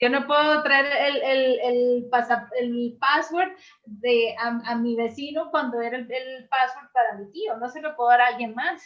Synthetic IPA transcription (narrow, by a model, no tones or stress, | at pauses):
d͡ʒo̞no̞pweðot̪ɾaeɾelelelpasapelpasweɾt̪ | ðeaamiβe̞sino̞kwand̪o̞e̞ɾaelelpaswoɾt̪̚paɾamit̪iono̞selopweðaɾajenmas